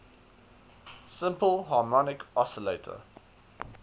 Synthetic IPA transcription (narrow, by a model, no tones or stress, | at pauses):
sɪ̃mpəlˠɦɑːmɔnɪkɔsəleɪtʰə̰